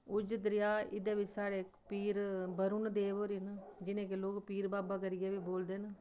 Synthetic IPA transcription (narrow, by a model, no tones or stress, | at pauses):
ʊd͡ʒət̪ɾɪjaːɪd̪eːʋɪt͡ʃsaːɽeːpiːɾbəɾʊnd̪eːʋoːɾiːnd͡ʒɪnẽːk̬eloːkpiːɾbaːbaːkəɾɪjeːʋiːboːld̪eːnə